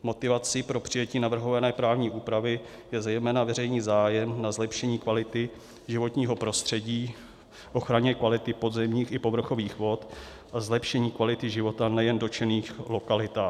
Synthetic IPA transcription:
mo̞t̪ɪvat͡sɪpɾo̞pr̝̥ɪjɛciːnavr̩ɦo̞vanɛːpɾaːvɲiːʔuːpɾavɪjɛzɛjmɛːnavɛrɛjɲiːzaːjɛmnazlɛpʃɛɲiːkvalɪt̪ɪ | ʒɪvo̞t̪ɲiːɦo̞pɾo̞st̪r̝̥ɛɟiː | ʔo̞xɾaɲɛkvalɪt̪ɪpo̞dzɛmɲiːxɪpo̞vr̩xo̞viːxvo̞t̪ | ʔazlɛpʃɛɲiːkvalɪt̪ɪʒɪvo̞t̪anɛjɛndo̞t͡ʃɛniːxlo̞kalɪt̪aː

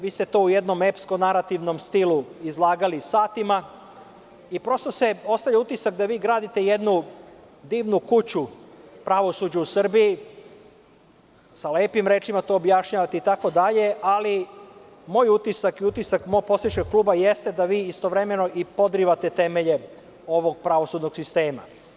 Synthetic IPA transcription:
ʋiːst̪et̪oːuje̞d̪no̞me̞psko̞naɾat̪iʋno̞mst̪iluizlˠaːɡalisaːt̪ima | ipɾo̞st̪o̞se̞o̞st̪avʎaut̪isak̚d̪aʋiːɡɾaːd̪it̪e̞jed̪nu | d̪iːʋnukut͡ɕupɾaʋo̞sud͡ʑuusr̩bii | saleːpimɾeːt͡ʃimat̪oːbjaʃɲaːʋat̪eit̪ako̞d̪aʎe̞ʔali | mo̞ːjut̪isakiut̪isakmo̞ːɡ̚po̞siʃkeɡ̚klˠuːbaje̞st̪e̞d̪aʋiːist̪o̞ʋɾe̞me̞no̞ʔipo̞d̪ɾiʋat̪e̞t̪e̞me̞ʎe̞ | o̞ʋo̞ɡ̚pɾaʋo̞sud̪no̞ɡsist̪e̞ːma̰

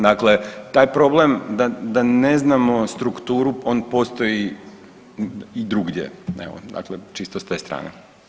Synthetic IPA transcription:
d̪akle̞t̪aːjpɾo̞blemd̪ad̪ane̞znamo̞st̪ɾukt̪uːɾuo̞ːnpo̞st̪oji | id̪ɾuɡdḛɛ̰ʋo̰d̪a̰klet͡ʃist̪ost̪eːst̪ɾa̰ːnḛ

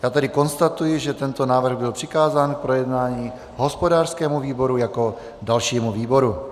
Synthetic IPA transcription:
jaːt̪ɛdɪko̞nst̪at̪ujɪʒɛt̪ɛnt̪o̞naːvr̩ɣbɪlpr̝̥ɪkaːzaːnk̚pɾo̞jɛdnaːɲiː | ɦo̞spo̞daːr̥skɛːmuviːbo̞ɾujako̞ | dalʃiːmuviːbo̞ɾu

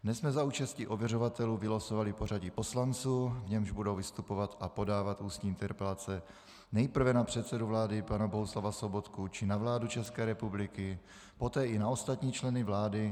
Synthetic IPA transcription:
nɛsmɛzauːt͡ʃascɪʔovjɛrovat̪ɛluːvɪlasovalɪpo̞r̝aɟɪpo̞slant͡suːvɲɛmʒbudo̞wvɪst̪upo̞vat̪ʔapo̞daːvat̪uːst̪ɲiːɪnt̪ɛɾpɛlat͡sɛ | nɛjpr̩vɛnapr̝̥ɛt̪sɛduvlaːdɪpanaboɦuslavaso̞bo̞t̪kut͡ʃɪnavlaːdut͡ʃɛskɛːɾɛpublɪkɪ | po̞t̪ɛːʔɪnao̞st̪at̪ɲiːt͡ʃlɛnɪvlaːdɪ

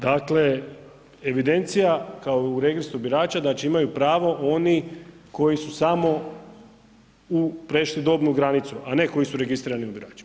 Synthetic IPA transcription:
d̪akle | eʋid̪e̞nt̪sijakaouɾe̞ɡɾist̪ubiɾaːt͡ʃad̪at͡ʃeimajupɾaːʋo̞ʔo̞ni | ko̞jisusamo̞ | upɾeʃlid̪o̞bnuɡɾanit̪suʔane̞ko̞jisuɾe̞ɡist̪ɾiːɾaniubiɾa̰ːt͡ʃi̥

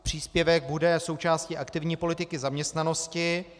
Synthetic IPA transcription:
pr̝̥iːspjɛvɛɡ̚budɛso̞wt͡ʃaːsciʔakt̪ɪvɲiːpo̞lɪt̪ɪkɪzamɲɛst̪nano̞scɪ

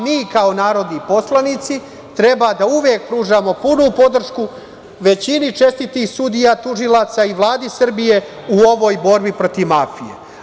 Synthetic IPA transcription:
miːkao̞naːɾo̞d̪nipo̞slˠanit̪si | t̪ɾe̞bad̪auʋjeːk̚pɾuːʒamo̞punupo̞d̪r̩ʃku | ʋe̞t͡ɕinit͡ʃe̞st̪it̪iːxsud̪ijat̪uʒilˠaːt̪saiʋlˠaːd̪isr̩bije̞ | uo̞ʋo̞ːjbo̞ɾbipɾo̞t̪iʋmaːfijḛ

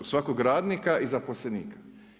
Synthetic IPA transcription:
sʋakoɡɾaːd̪nikaʔizaposleniːkḁ

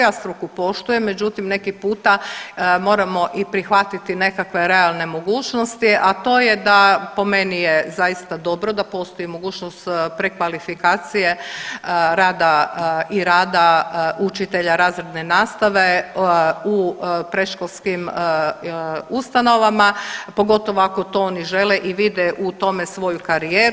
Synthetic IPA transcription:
ast̪ɾukupo̞ʃt̪uje̞mːe̞d͡ʒut̪imne̞kipuːt̪amo̞ːɾamo̞ʔipɾixʋat̪it̪ine̞kakʋe̞ɾe̞alˠne̞mo̞ɡuːt͡ʃno̞st̪iʔat̪o̞ːjed̪apo̞me̞nijezajist̪ad̪o̞bɾo̞d̪apo̞st̪ojimo̞ɡuːt͡ʃnost̪pɾekʋalifikaːt̪sije̞ | ɾaːd̪aiɾaːd̪aut͡ʃit̪e̞ʎaɾaːzɾed̪nenaːst̪aʋe | upɾeʃkolˠskim | ust̪ano̞ʋamapo̞ɡo̞t̪o̞ʋoako̞t̪o̞oniʒe̞leʔiʋid̪eʔut̪o̞mesʋo̞jukaɾijeːɾ

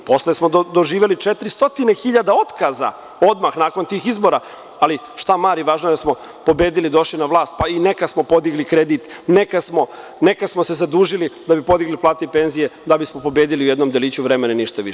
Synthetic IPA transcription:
po̞slesmo̞d̪o̞ʒiːʋelit͡ʃet̪ɾist̪o̞t̪inexiʎad̪ao̞t̪kaza̰ | od̪maxnaːkont̪iːxizbo̞ɾa | ali | ʃt̪amaːɾiʋaːʒnoed̪asmo̞ | po̞beːd̪ilid̪o̞ʃlinaʋlˠaːst̪̚paine̞kasmo̞po̞d̪iɡlikɾed̪it̪nekasmo̞nekasmose̞zad̪uːʒilid̪abipo̞d̪iɡliplˠaːt̪ipe̞nzijed̪abismopo̞beːd̪iliujed̪nomd̪eliːt͡ɕuʋɾemenaniʃt̪aʋḭʃɛ

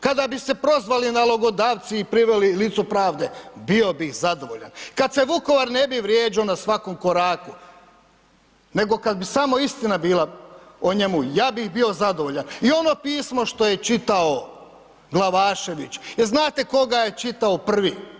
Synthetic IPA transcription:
kad̪abise̞pɾo̞zʋalinalˠoɡo̞d̪aːʋt̪siːpɾiʋelilit̪supɾaːʋd̪e̞bio̞bixzad̪o̞ʋoʎa̰nkad̪se̞ʋuko̞ʋaɾne̞biʋɾjeːd͡ʒionasʋakomko̞ɾaːku | ne̞ɡo̞kad̪̚bisamoist̪inabiːlaoɲemujaːbixbio̞zad̪oʋoʎanio̞no̞piːsmo̞ʃt̪o̞je̞t͡ʃit̪ao | ɡlˠaʋaːʃe̞ʋit͡ʃjeɾznaːt̪e̞ko̞ɡaje̞t͡ʃit̪aopr̩ʋi

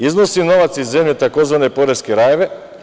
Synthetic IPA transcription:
iznosino̞ʋat̪sizːemʎet̪ako̞zʋane̞po̞ɾeskeɾajeʋe

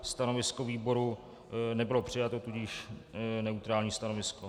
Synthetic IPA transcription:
st̪ano̞vɪskoviːbo̞ɾu | nɛbɪlopr̝̥ɪjat̪ot̪uɟiʃnɛut̪ɾaːlɲiːst̪anovɪsko

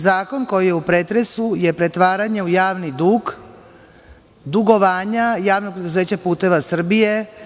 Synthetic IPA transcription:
zaːko̞nko̞jije̞upɾet̪ɾe̞suje̞pɾe̞t̪ʋaːɾaɲe̞ujaːʋnid̪uːɡ | d̪uɡo̞ʋaːɲajaːʋnoɡ̚pɾed̪uze̞ːt͡ɕapuːt̪e̞ʋasr̩bije̞

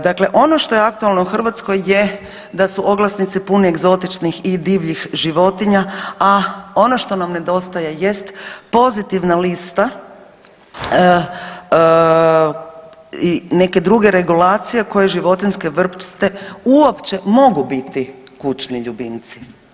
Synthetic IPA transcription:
d̪akle̞ʔo̞no̞ʃt̪o̞jeak̚t̪ualˠnouxr̩ʋat̪sko̞jːe | d̪asuʔo̞ɡlˠasnit̪sipunieɡzo̞t̪it͡ʃnixid̪iːʋʎixʒiʋo̞t̪iɲaao̞noʃt̪o̞namne̞d̪o̞st̪ajeje̞st̪po̞zit̪iʋnalist̪a | ine̞ke̞d̪ɾuɡe̞ɾe̞ɡulaːt̪sije̞ko̞jeʒiʋo̞t̪inske̞ʋr̩pt͡ʃt̪euopt͡ʃe̞mo̞ɡubit̪i | kut͡ʃniʎubint̪si̥

